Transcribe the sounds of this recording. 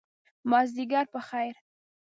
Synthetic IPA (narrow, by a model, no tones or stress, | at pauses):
mɑzd̪iɡaɾpəxajɾ